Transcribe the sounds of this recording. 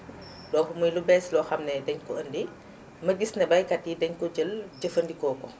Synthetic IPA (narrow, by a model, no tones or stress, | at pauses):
dɔnkumujlubɛːslɔxɐmnɛdɛɲkɔəndi | mɐɡisnɛbɐjkɐtːidɛɲkɔɟəlɟəfəndikɔːkɔ